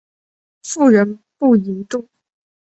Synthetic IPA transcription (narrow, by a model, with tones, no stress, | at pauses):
fu˥˩ɻə˧˥n | pu˥˩i˧˥nt̪u˥˩